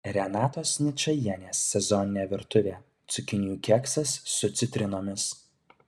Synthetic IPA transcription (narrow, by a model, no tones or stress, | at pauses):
ɾʲɛnɑːt̪oːsnʲɪt͡ʃɐjiɛnʲeːsːʲɛzɔnʲɪnʲeːʋʲɪɾt̪ʊʋʲeː | t̪sʲʊkʲɪnʲjuːkʲɛksɐsːʊt̪sʲɪt̪ʲɾʲɪnoːmʲɪs